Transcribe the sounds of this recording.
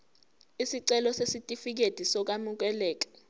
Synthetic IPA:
isiǀɛlɔsesitʼifik̬ed̥ʱisɔk̬amuk̬ɛlɛːk̬ḁ

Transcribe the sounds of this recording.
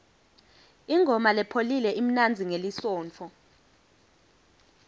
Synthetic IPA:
iŋʱɔmalɛpʰolilɛʔim̩nand͡zʱiŋelisɔːnt͡fʰɔ

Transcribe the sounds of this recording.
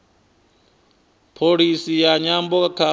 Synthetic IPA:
pʰoɺisijaɲambɔkakʰa

